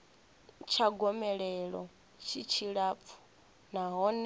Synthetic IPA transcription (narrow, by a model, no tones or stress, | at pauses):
t͡ʃʰaɡɔmɛɺɛɺɔ̰ | t͡ʃʰit͡ʃʰiɺap̪fʰu̥ | naɦɔn